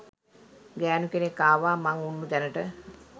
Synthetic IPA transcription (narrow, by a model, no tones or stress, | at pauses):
ɡæːnukenekːaːʋaːmaŋunːud̪ænəʈə